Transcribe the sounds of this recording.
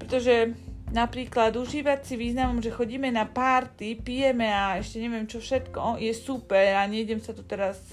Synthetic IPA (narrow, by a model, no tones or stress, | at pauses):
pɾɛt̪ɔʒɛnapɾiːklad̪uʒiːʋat͡siʋiːznamɔmʒɛxɔɟiːmɛnapaːɾt̪ipijɛmɛaɛʃcɛɲɛʋɪɛmt͡ʃɔfʃɛt̪kɔjɛsupɛɾaɲɛɟɛmsat̪u̥t̪ɛɾas